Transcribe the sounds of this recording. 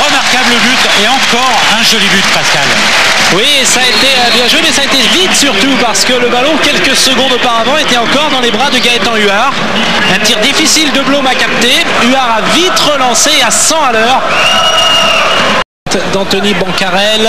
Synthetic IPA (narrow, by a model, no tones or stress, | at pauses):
ʁəmaʁkabləbyt̪eɑ̃kɔʁ | ɛ̃ʒɔlibyt̪paskʲal | wiesaet̪eøbjɛ̃ʒwemɛsaːet̪evit̪syʁt̪upaʁsə̥kələbalɔ̃kʲɛlkəsəɡɔ̃d̪opaʁavɑ̃et̪ɛɑ̃kɔʁd̪ɑ̃lebʁad̪əɡaɛt̪ɑ̃yaʁ | ɛ̃t̪iʁd̪ifisild̪əblomakap̚t̪e | yaʁavit̪ʁəlɑ̃seasɑ̃alœːʁ | t̪d̪ɑ̃t̪ɔnibɑ̃kaʁɛl